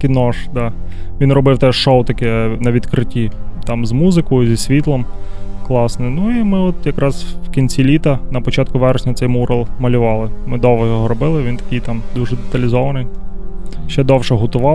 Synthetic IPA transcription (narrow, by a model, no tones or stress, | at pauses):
kʲɪnɔʃd̪ɑʋʲinrɔbɪwt̪ɛʃowt̪ɐkɛnɐʋʲid̪kɾɪtʲit̪ɑmzmuzɪkɔjʊzʲisʲʋʲit̪lˠɔmklˠɑsnɪnuimɪɔt̪jɐkɾɑzwkʲinʲt͡sʲilʲit̪ɐnɐpɔt͡ʃɑt̪̚kʊʋɛɾesʲnʲɐt̪sɛjmuɾɐlˠmɐlʲʊʋɑlˠɪmɪd̪ɔʋɛjɔɦɔɾɔbɪlˠɪʋʲint̪ɐ̥kɪjt̪ɑmd̪uʒɛd̪et̪ɐlʲɪzɔʋɐnɪj | ʃɛd̪ɔwʃɛɦʊt̪ʊʋɑ